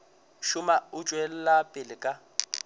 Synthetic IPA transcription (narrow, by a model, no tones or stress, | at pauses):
ʃʊmaʊt͡ʃʼwɛl̩lapʼɪlɪkʼa